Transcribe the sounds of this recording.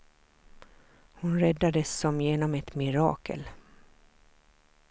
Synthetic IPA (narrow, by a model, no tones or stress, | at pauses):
hʊnɾɛd̪ːad̪əsːɔmjeːnɔmɛt̪mɪɾɑ̰ːkʰə̰l